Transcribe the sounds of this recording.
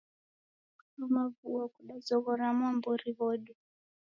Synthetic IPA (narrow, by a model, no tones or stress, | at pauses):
umavuakuɗazɔɣɔɾamwambɔɾiβɔɗɔ